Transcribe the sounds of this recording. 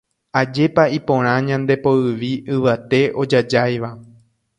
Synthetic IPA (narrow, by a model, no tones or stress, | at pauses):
ad͡ʒe̞paipõ̞ɾ̃ãɲãnd̪e̞poɨʋiʔɨʋat̪e̞ʔo̞d͡ʒad͡ʒajʋa